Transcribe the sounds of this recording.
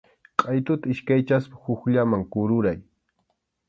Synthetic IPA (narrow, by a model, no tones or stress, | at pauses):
qʼɑjt̪ʊt̪aɪʃkajt͡ʃaspḁhʊkʎamaŋkʊɾʊɾaj